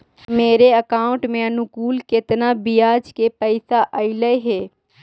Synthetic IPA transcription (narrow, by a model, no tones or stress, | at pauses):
meːɾeɐkaːʊ̃ɳʈmẽɐnʊkuːlkɪt̪nabijaːd͡ʒkepəɪsaʔɐɪləeɦɛː